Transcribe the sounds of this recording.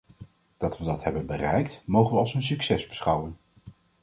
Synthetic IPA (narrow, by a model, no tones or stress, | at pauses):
d̥ɑtʋədɑtɦɛbənbərɛjktmowχənʋəɑlˠsənsyksɛzbəsχɑwən